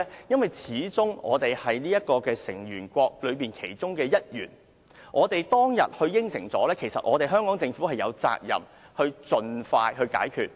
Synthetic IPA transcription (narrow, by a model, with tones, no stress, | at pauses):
jɐ˥nwɐ˨jt͡sʰiː˨˥t͡sʊ˥ŋɔ̰ː˨˧t̪e˨jhɐ˨jniː˥jɐ˥t̚kɔː˧kɛː˧sɪ̰˨˩ŋjyː˨˩nkʷɔː˧k̚lɵ˨˧ɥpiː˨˩nkʰe˨˩jt͡sʊ˥ŋkɛː˧jɐ˥t̚jyː˨˩n | ʔɔː˨˧t̪e˨jt̪ɔː˥ŋjɐ̰˨t̚hɵ˧ɥjɪ˥ŋsɪ˨˩ŋt͡sɔː˨˥lɛː˥kʰe˨˩sɐ˨t̚ʔɔː˨˧t̪e˨jɦœː˥ŋkɔː˨˥ŋt͡sɪ˧ŋfuː˨˥hɐ˨jɐ̰˨˧wt͡sa̰ː˧k̚jɐ̰˨˩m | hɵ˧ɥt͡sɵ˨nfaː˧jɦɵ˧ɥka̰ː˨˥jkʰyː˧t̚